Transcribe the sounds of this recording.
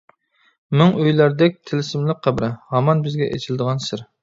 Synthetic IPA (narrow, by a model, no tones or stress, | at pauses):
mɪŋøjlæɾd̪ɛk̚ʲt̪ʰɪlɪsɪmlɪk̚ʲqʰːæbɾɛhɑmɑnbɪzɡʲɛʔḛt͡ʃʰild̪əʁɑnsɪɾ